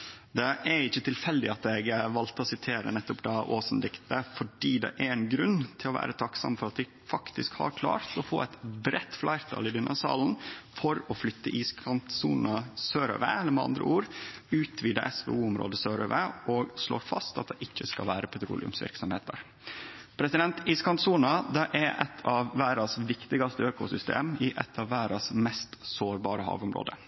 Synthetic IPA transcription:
d̪ɛʔæɾɪçːət̪ʰɪlfɛld̪ɪɑt̪ɛɡʋɑlt̪əɔsɪt̪ʰeːɾə̰nɛt̪ːʊpd̪ɑʔoːsn̩d̪ɪkt̪əfɔɖiːd̪ɛ̰ʔæɾɛnɡɾʉnːt̪ʰɪlɔʋæ̰ːɾət̪ʰɑksɑ̰mfɔɾɑt̪d̪ɛ | fɑkt̪ɪskhɑ̰ɾkʰlɑ̰ːɾt̪ɔfo̰ːɛɪt̪bɾɛt̪ːflʔɑɪɾt̪ʰɑ̰ːlɪd̪ɪnəsɑ̰ːln̩fɔɾɔflʏt̪ːəʔiːskʰɑnt̪suːnnəsøːɾø̰ːʋḛɛlːəɾmɛɑ̰nd̪ɾə̰uːɾʉːt̪ʰʋiːd̪əʔɛsʋḛːuːʊmɾo̰ːd̪əsøːɾø̰ːʋəʔɔɡslo̰ːɾfɑst̪ɑt̪̚d̪ɛʔɪçːəskɑʋæːɾəpʰɛt̪ɾṵːlɪʉ̰msʋɪ̰ɾksɔmhḛːt̪ʰəɾ | pʰɾɛsɪd̪ɛnt̪iːskʰɑnt̪suːnɑd̪ɛʔɛɾʔɛt̪ʰɑʋːæːɾɑsʋɪkt̪ɪɡɑst̪əøːkʊsʏst̪ḛːmɪʔɛt̪ʰɑʋʋæːɾɑsmɛst̪soːɾbɑːɾəhɑ̰ːʋʊmɾo̰ːd̪ə

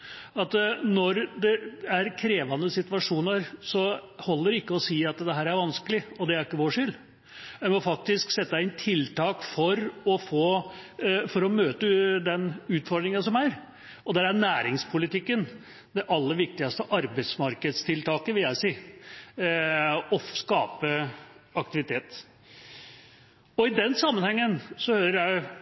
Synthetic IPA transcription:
ɑt̪nɔɾd̪ɛæɾkʰɾeːʋɑnəsɪt̪ʋɑʂuːnəɾsɔhɔlːəɾɪkːəɔsiːɑt̪d̪ɛɦæːɾæɾʋɑnskəlɪɔd̪ɛæɾɪkːəʋoːʂʏl | ʋɛɪmɔfɑk̚t̪ɪsksɛt̪ːɪnt̪ʰɪlt̪ʰɑːkfɔɾɔfoː | fɔɾɔmøːt̪əd̪ɛnʉːt̪fɔɾɖ̪ɾɪŋənsɔmæɾ | ɔd̪æɾænæːɾɪŋspʰʊlɪt̪ʰɪkːən | d̪ɛʔɑlːəɾʋɪk̚t̪ɪɡɑst̪əʔɑɾbət̪smɑɾkəd̪st̪ʰɪlt̪ʰɑːkəʋɪljæɪsiː | ɔfskɑːpəɑk̚t̪ɪʋɪt̪ʰeːt̪ | ɔɪd̪ɛnsɑmːənhɛŋːənsɔhøːɾəɾjæɪ

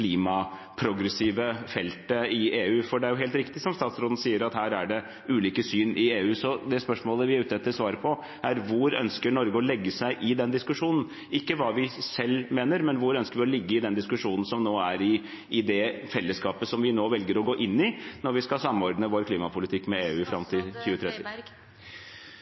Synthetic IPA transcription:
kliːmɑ | pʰɾʊɡɾəsiːʋəfɛlt̪əɪeːʉːfɔɖɛæɾjʊɦeːlt̪ɾɪkt̪ɪsɔmst̪ɑːt̪sɾoːd̪n̩siːəɾɑt̪hæːɾæɖɛ | ʉːliːkəsyːnʔɪeːʉːsɔd̪ɛspœʂmoːləʋɪæɾʉːt̪ɛt̪ːəsʋɑːɾəpʰɔ | ʔæɾʋʊɾœ̰nskəɳɔɾɡəɔlɛɡːəsæɪʔɪd̪ɛnd̪ɪskʉʂuːnn̩ | ɪkːəʋɑːʋɪsɛlːmeːnəɾmɛnʋʊɾœnskəɾʋɪɔlɪɡːəɪd̪ɛnd̪ɪskʉʂuːnn̩sɔmnoːæɾɪ | ɪd̪ɛfɛlːəskɑːpəsɔmʋɪnoːʋɛlɡəɾɔɡoːʔɪnːɪnɔɾʋɪskɑsɑmːɔɾd̪nəʋoːɾkʰliːmɑpʰʊlɪt̪ʰɪkːmɛeːʉːfɾɑmt̪ʰɪlçʉːət̪ʰɾɛt̪ːɪ

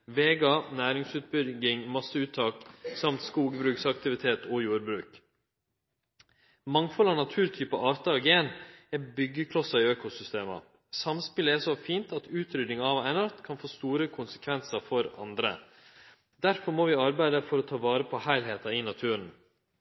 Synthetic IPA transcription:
ʋeːɡɑnæːɾɪŋsʉːt̪̚bʏɡɪŋmɑsəʉːt̪ʰːɑːksɑmt̪skuːɡbɾʉːksɑk̚t̪ɪʋɪt̪ʰeːt̪ʰɔjuːɾbɾʉːk | mɑŋfɔlɑnɑt̪ʰʉːɾt̪ʰyːpəʔɑːɾt̪ɑɑɡeːnɛbʏɡːəkʰlɔsɑiøːkʊsʏst̪eːmə̰ | sɑmspɪləɛsɔfiːnt̪ɑt̪ʉːt̪ʰɾʏd̪nɪŋɑʋænɑɾt̪kʰɑnfoːst̪uːɾəkʰʊnsə̥kʰʋɛnsəfɔɾɑ̰nd̪ɾə̰ | d̪æɾfɔɾmoːʋɪːɑɾbæɪd̪əfɔɾɔt̪ʰɑːʋɑːɾəpʰɔhæɪlɦeːt̪ɑɪnɑt̪ʰʉːɾən

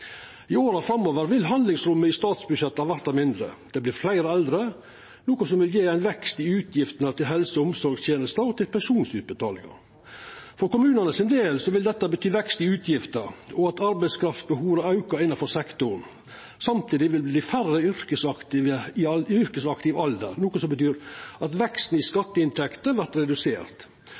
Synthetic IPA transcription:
ɪoːɾɑfɾɑmːoːʋəɾʋɪlɦɑnd̪lɪŋsɾʊmːəɪst̪ɑːt̪sbʉʂɛt̪ːɑʋæɾt̪ɑmɪnd̪ɾə̰d̪̥ɛblɪːɾflæɪɾəɛld̪ɾə | nuːkɔsɔmʋɪljeːæɪnʋɛkst̪ɪʉːt̪ʰjɪft̪ənət̪ʰɪlɦɛlsəʊmsɔɾɡst̪jeːnəst̪əɔt̪ʰɪlpæʂuːnsʉːt̪̚bət̪ʰɑ̰ːlɪ̰ŋɑ̰ | fɔɾkʊmʉːnɑnəsɪnd̪eːlsɔʋɪld̪ɛt̪ːəbət̪ʰyːʋɛkst̪ɪʉːt̪ʰjɪft̪əɾɔɑt̪ɑɾbæɪskʰɾɑft̪bəhuːɾɑɑʉkɑɾɪnːɑfɔɾsɛkt̪ʊɾn̩ | sɑmt̪ʰiːd̪ɪʋɪlbliːfærəʏɾkəsɑkt̪ɪʋəɪʏɾkəsɑkt̪ɪʋɑld̪ə̰ɾnuːkɔsɔmbət̪ʰyːɾɑt̪ʋɛkst̪n̩ɪskɑt̪ːəɪnt̪ʰɛkt̪əʋæɾt̪ɾɛd̪ʉseːɾt̪

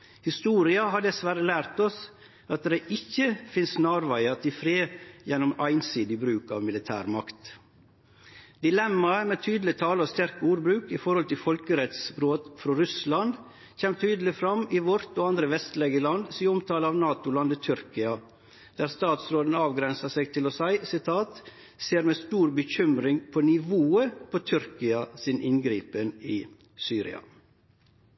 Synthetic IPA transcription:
hɪst̪uːɾɪɑɦɑɖ̪ɛsʋæɾəlæːɾt̪ɔs | ʔɑt̪̚d̪ɛʔɪçːəfɪnsnɑːɾʋæɪɑt̪ɪfɾeːjɛnʊmæɪnsiːd̪ɪbɾʉːkɑ̰ʋmɪlɪt̪ʰæ̰ːɾmɑkt̪ | d̪ɪlɛmːɑmeːt̪ʰyːd̪l̩ɪt̪ʰɑːləɔst̪æɾkəuːɾbɾʉːkɪfɔɾhɔlt̪ɪfɔlkəɾɛt̪sbɾoːt̪fɾɔɾʉslɑnd̪ | çɛːmt̪ʰyːd̪əlɪfɾɑmɪʋɔɾt̪oːɑnd̪ɾəʋɛst̪lɛɡəlɑnd̪siːəɔmt̪ʰɑːləɑːʋnɑːt̪ʊlɑnd̪ət̪ʰʏɾkɪɑ | d̪̥æːɾst̪ɑːt̪sɾoːd̪ən̩ɑːʋɡɾɛnsɑsɛɡt̪ʰɪlɔsæɪsɪt̪ʰɑːt̪ | seːɾmeːst̪uːɾbəçʏmɾɪŋpʰɔnɪʋoːəpʰot̪ʰʏɾkɪɑsɪnʔɪnɡɾiːpənɪ̰ | syːɾɪ̰ɑ̰

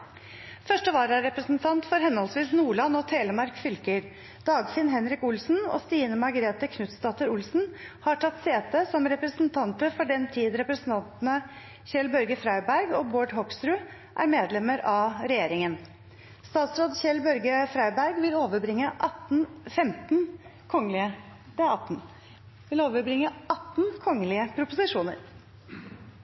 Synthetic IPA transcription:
fœʂʈəʋɑːɾæɾɛpɾəsnt̪ʰɑnt̪fɔɾɦɛnhɔlsʋiːsnuːɭɑnːɔt̪ʰeːləɾmɑɾkfʏlkəɾ | d̪̥ɑːɡfɪnɦɛnɾɪkʊlsn̩ɔ̰st̪iːnəmɑɡəɾeːt̪əkʰnʉt̪st̪ɑːt̪əɾʊlsn̩hɑʈʰɑt̪ːseːt̪əsɔmɾɛpɾəsnt̪ʰɑnt̪əfɔɖɛnt̪ʰiːd̪ɾɛpɾəsn̩t̪ʰɑnt̪nə | çɛlbœɾɡəfɾɑɪbæɾɡɔːboːɖɦɔksɾʉː | ʔæ̰ɾmeːd̪lɛməɾɑɾɛjeːɾɪŋən | st̪ɑːt̪sɾoːd̪çɛlbœɾɡəfɾɑɪbæɾɡʋɪloːʋəbɾɪŋːəʔɑt̪n̩fɛmt̪n | kʰɔŋːəlɪə | ɑt̪ːn | ʋɪloːʋəɾbɾɪŋːəɑt̪ːnkʰɔŋːəlɪəpʰɾʊpʊsɪʂuːnə̰ɾ

